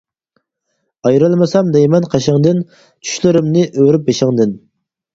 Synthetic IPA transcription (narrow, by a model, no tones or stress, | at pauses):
ɑjɾɨlˠmɨsɑmd̪ɛjmɛnqʰɑʃɪŋd̪ɪn | t͡ʃʰy̥ʃlɪɾɪmnɪʔøwɾyp̚beʃɪŋd̪ɪn